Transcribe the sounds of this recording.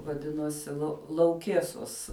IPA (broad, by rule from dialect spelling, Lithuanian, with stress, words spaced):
ʋɐˈdʲɪnoːsʲɪ lˠɐ lˠɐʊˈkʲiɛsoːs